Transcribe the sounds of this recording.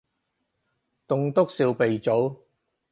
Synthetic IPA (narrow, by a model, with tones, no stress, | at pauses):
t̪ʊ˧ŋt̪ʊ˥k̚si˧wpe˨jt͡so˨˥w